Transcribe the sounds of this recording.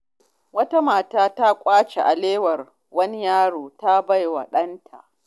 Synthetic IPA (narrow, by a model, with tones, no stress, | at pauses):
wɐ˦ta˦maː˨taː˦ta˦kʷʼaː˦t͡ʃe˨ʔa̰˨leː˦wɐ˨r | wɐ˦ni˦jaː˦ɽoː˨ta˦ba˦jwɐ̰˨ɗɐ˦ntʰa̰˨ʔ